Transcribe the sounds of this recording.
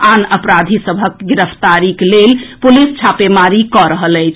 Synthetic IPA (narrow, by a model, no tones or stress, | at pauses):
anəpɾad̪ʱisəbʱəkɡiɾəpʰt̪aɾiklelpulist͡ʃʰapemaɾikɔɾəɦələjt͡ʃʰ